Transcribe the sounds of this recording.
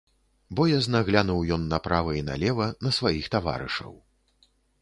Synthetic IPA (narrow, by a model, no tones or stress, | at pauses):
bɔjaznaɣlʲanuwjɔnːɐpɾavɐina̰lʲɛvɐnɐsvajixt̪ava̰ɾɨ̰ʂɐ̰w